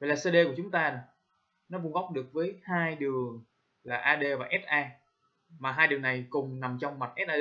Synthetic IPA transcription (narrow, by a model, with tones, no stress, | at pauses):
va˧˨laː˨˩se˧ɗe˧ku˧˩ət͡ɕʊ˨˦ŋ͡mt̪aː˧nɔ˨˩ | nɔ˨˦ɓu˧ŋɣa˦˥wk͡p̚ɗɨ˨˩ək̚vəː˨˦jhaː˧jɗɨ˨˩əŋ | laː˨˩ʔaː˧ɗe˧vaː˨˩ʔɛ˦˥t̚ʔaː˧ | maː˨˩ɦaː˧jɗɨ˨˩ŋna˨˩jkʊ˨˩ŋ͡mna˨˩mt͡ɕɔ˧wŋ͡mma˨˩t̚ʔɛ˦˥t̚ʔaː˧